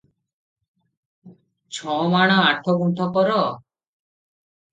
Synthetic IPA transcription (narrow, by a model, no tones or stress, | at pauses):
t͡ʃʰɔmaɽ̃ɔaʈʰɔɡũʈ̪ʰɔkɔɾɔ